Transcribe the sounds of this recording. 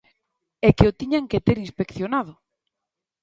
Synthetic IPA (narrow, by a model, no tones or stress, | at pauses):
ɛkeot̪iɲaŋket̪eɾinspekθjonað̞ʊ